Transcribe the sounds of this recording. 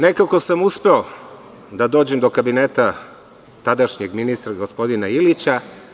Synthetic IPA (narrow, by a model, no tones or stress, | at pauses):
ne̞kako̞samuspe̞o̞ | d̪ad̪o̞ːd͡ʑemd̪o̞kabineːt̪a | t̪ad̪aʃɲeɡminist̪ɾaɡospo̞d̪inailit͡ɕa